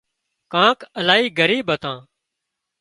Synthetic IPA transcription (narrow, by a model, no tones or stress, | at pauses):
kãːkəlaːɦiːɡəɾiːɓət̪ãː